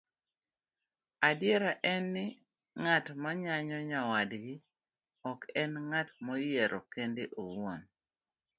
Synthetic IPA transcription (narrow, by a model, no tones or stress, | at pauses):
adjɛɾaʔɛnːɪ | ŋatmaɲaɲɔɲawadɡi | ɔkɛnŋatmojeɾʔɔ̰kendeʔowwon